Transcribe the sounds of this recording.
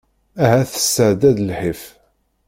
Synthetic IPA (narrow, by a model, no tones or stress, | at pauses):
æɦæθə̥sːəʕd̪æd̪lħif